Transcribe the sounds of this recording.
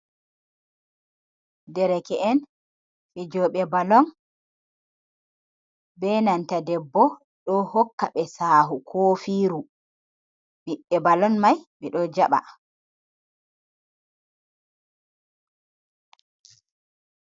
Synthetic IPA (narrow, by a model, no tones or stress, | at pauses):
dɛɾɛkɛɛn | fɛd͡ʒɔːɓɛbalɔn | bɛnantadɛbːɔ | ɗɔhɔkːaɓɛsaːɦukʰoːfiːɾu | miɓːɛbalɔnmajɓɛɗɔd͡ʒaɓa̰